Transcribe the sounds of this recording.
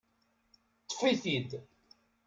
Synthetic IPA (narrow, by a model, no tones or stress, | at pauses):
t̪ˤːə̥fiθid̪